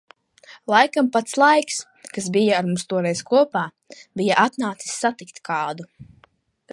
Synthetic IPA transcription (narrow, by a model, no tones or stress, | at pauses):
lˠajkampat̪slˠajks | kas̬bijaːɾmumst̪uɔɾɛjzkuɔpaː | bijaʔat̪naːt̪si̥sʲːat̪ikt̪kʰɑːd̪u